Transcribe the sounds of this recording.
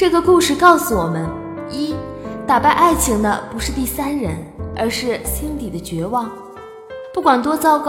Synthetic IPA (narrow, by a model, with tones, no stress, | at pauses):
ʈ͡ʂɤ˥˩ɡə˩ku˥˧ʂɻ̩˥˧kɑ˥˩ʊsu˨˩wɔ˨˩mə˦n | i˥t̪a˨˩pa˥˧ɪʔa˥˩ɪt͡ɕʰi˧˥ŋd̪ə˧pu˧˥ʂɻ̩˥˧t̪i˥˩sa˥nɻə˧˥nə̰˞˧˥ʂɻ̩˥˩ɕi˥nli˨˩d̪ə˦t͡ɕɥɛ˧˥wɑ˥˩ŋ | pu˥˩kwa˨˩nt̪̬wɔ˥t͡sɑ˥ʊkɑ˥